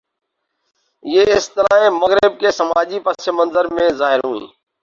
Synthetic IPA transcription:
jeːɪst̪əɾaːẽːməɣɾɪb̚keːsəmaːd͡ʒiːpəst͡ʃəmənzəɾmẽːzaːɦɪɾɦṵ̃ːḭ̃ː

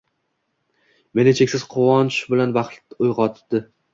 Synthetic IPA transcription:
me̞nɪt͡ʃʰekʲsɪzqʰʊwɒnʃbɪlanbaχʊjʁɒt̪ʰd̪̥ɪ

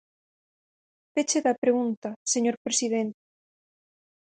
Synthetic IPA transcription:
fet͡ʃeðapɾeɣunt̪aseɲoɾpɾesiðent̪e̥

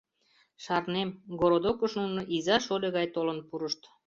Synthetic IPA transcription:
ʃɑrnemɡoɾod̪okəʃnunɤʔizɑʃolʲeɣɑjt̪olənpuɾəʃt̪

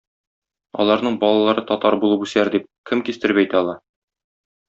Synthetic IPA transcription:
ɒ̰lˠɑɾnɤɴbɒlˠɑlˠɑɾɤt̪ɒt̪ɑɾbulˠɤpʉslæɾd̪ip̚kɘmkist̪ɘ̆ɾɘpæjt̪æɒlˠɑ

